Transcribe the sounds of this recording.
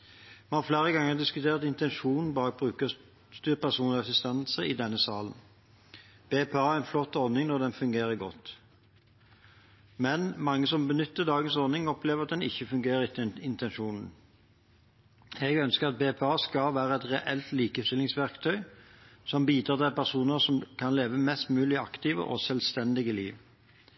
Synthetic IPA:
mɛnhɑːflæːʁəɡɑŋːəʁd̪ɪskʉt̪ʰeːʁt̪ɪnt̪ɛnʃuːnn̩bɑːk̚bʁʉːkə | st̪yːpʰæʁsuːnɑsɪst̪ɛnsəɪd̪ɛnːəsɑːlən | b̥eːpʰeɑːæʁɛnflɔt̪ːɔnɪŋnɔʁd̪ɛnfʉŋɡeːʁəɡɔt̪ː | mɛnmɑŋːəsɔmbənʏt̪ːəʁd̪ɑːɡənsɔnɪŋɔpleːʋəʁɑt̪̚d̪ɛnɪ̰çːəfʉŋɡeːɾəʁɪt̪ːəɪnt̪ʰɛnʃuːnn̩ | ɛɡœnskəʁɑt̪̚beːpʰeɑːskɑlʋæːɾəɛt̪ʁɛʔɛlt̪liːkəst̪ɪlːɪŋsʋæʁkt̪ʰœʏsɔmbiːd̪ɾɑːt̪ʰɛpæʁsuːnəsɔmkʰɑnleːʋəmɛst̪mʉːlɪɑkt̪iːʋə̰ʔɔ̰sɛlst̪ɛnd̪ɪɡəliːʋ

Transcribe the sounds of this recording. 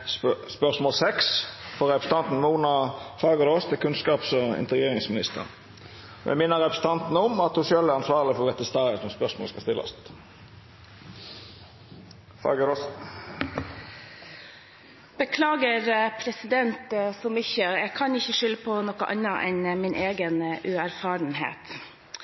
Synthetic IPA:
spœʁsmoɔːlsɛksfɔʁɛpɾəst̪ɑnt̪n̩muːnɑfɑɡəɾoːst̪əkʰʉnskɑːpsɔɪ̰nt̪əɡeːʁɪŋsmɪnɪst̪ʰə̰ʁn | ɔjʔæ̰mɪnːəʁɛpɾəsət̪ɑnt̪n̩əɔmɑt̪hʊʃøːlæɾʁɑnsʋɑːʁlɪfɔʁd̪ɛt̪ːəst̪ɑːʁəsɔmspœʁsmo̰ləskɑst̪ɪlʔɔ̰st̪ | fɑ̰ɡəɾos | b̥əkʰlɑːɡəɾpʰɾɛsɪd̪ɛnt̪sɔmʏçəjɛɡkʰɑnɪçːəʂʏlːəpʰɔnɔkə̰ʔɑ̰nəʔɛnmɪnʔeːɡənʔʉæɾfɑːɾənhḛːt̪

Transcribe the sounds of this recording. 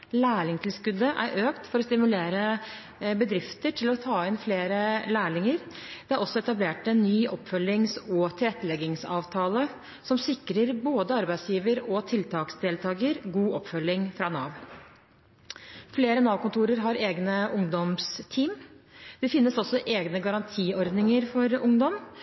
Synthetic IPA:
læːɭɪŋt̪ʰɪlskʉd̪əʔæ̰ɾʔøːkt̪fɔɾɔst̪ɪmʉleːɾə | bəd̪ɾɪft̪əʈʰɪlɔt̪ʰɑːɪnfleːɾəlæːɭɪŋəɾ | d̪ɛæɾʔɔsːɔɛt̪ɑbleːʈɛnːyːʔɔpːfœlːɪŋsɔt̪ʰɪlɛt̪ːəlɛɡɪŋsɑːʋt̪ʰɑːlə | sɔmsɪkːɾəɾboːd̪əɑɾbæɪsjiːʋəɾɔt̪ʰɪlt̪ʰɑːksd̪eːlt̪ʰɑːɡəɾɡuːɔpfœlɪŋfɾɑːnɑːʋ | fleːɾənɑːʋkʊnt̪ʰuːɾəɾɦɑɾeːɡnəʔʊŋd̪ɔmst̪ʰiːmd̪̥ɛfɪnːəsɔsːɔʔeːɡnəɡɑɾɑnt̪ʰiːɔɾd̪nɪŋəɾfɔɾʊŋd̪ɔm

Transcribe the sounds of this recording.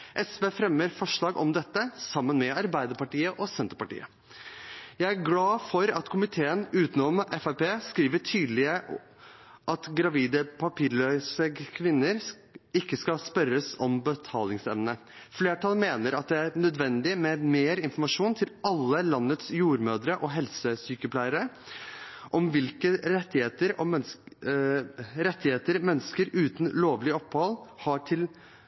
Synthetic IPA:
ʔɛsʋeːfɾɛmːəɾfɔʂɭɑːɡʔɔ̰md̪ɛt̪ːəsɑmːənmɛɑɾbæɪd̪əɾpɑʈiːəʔɔsɛnt̪əɾpɑʈḭːə̰ | jæɪæɾɡlɑːfɔɾɑt̪kʰʊmɪt̪ʰeːənʉːt̪nɔmʔɛfæɪpeːskɾiːʋəʈʰyːd̪lɪə | ʔɑt̪ɡɾɑʋiːd̪əpʰɑpʰiːɾɭøːsəɡəkʰʋɪnːəɾ | ɪkːəskɑspœɾəsɔmbət̪ʰɑːlɪŋsɛmnə | fleːʈʰɑlmeːnəɾɑt̪̚d̪ɛæɾnœd̪ʋɛnd̪ɪmɛmeːɾɪnfɔɾmɑʂuːnt̪ʰɪlɑlːəlɑnːət̪sjuːɾmøːd̪ɾəʔɔɦɛlsəsyːkəpʰlæɪəɾə | ʔɔmʋɪlkəɾɛt̪ːɪheːt̪əɾɔ | ɾɛt̪ʰːɪheːt̪əɾmɛnːəskəɾʉːt̪nloːʋlɪɔphɑlhɑʈʰɪl

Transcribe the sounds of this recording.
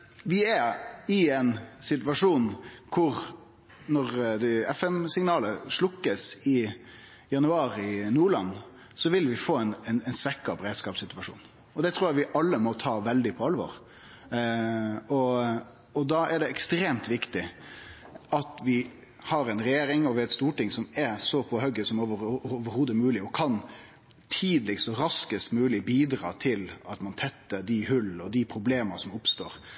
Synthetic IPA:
ʋɪæɾɪɛnsɪt̪ʋɑʂuːnkʰʊɾ | nɔʁd̪ɛɛfɛmsɪŋnɑːləʂlʊkːəsɪ | jɑnʉɑːɾɪnuːɭɑnː | sɔʋɪlʋɪfoːɛnɛnɛɪnsʋɛkːɑpɾeːd̪skɑːpsɪt̪ʉʋɑʂṵːn | ɔd̪ɛt̪ʰɾuːɾjæʋɪʔɑlːəmɔt̪ʰɑːʋɛld̪ɪpʰɔɑlʋɔ̰ːɾ | ɔ | ɔd̪ɑɛɖɛɛkst̪ɾeːmt̪ʋɪkt̪ɪ | ɑt̪ʋɪ | hɑɾɛɪnɾɛjeːɾɪŋɔʋɪæɛt̪st̪uːʈɪŋsɔmɛɾsɔpʰɔɦœɡəsɔmoʋəʋəɾhoːd̪əmʉːlɪɔkʰɑn | t̪ʰiːd̪lɪksɔɾɑskəst̪mʉːlɪbiːd̪ɾɑ̰ːt̪ʰɪlɑt̪mɑnt̪ʰɛt̪ːəɖ̪ɪhʉlɔd̪ɪpʰɾʊbleːməsɔmʊpst̪oːɾ

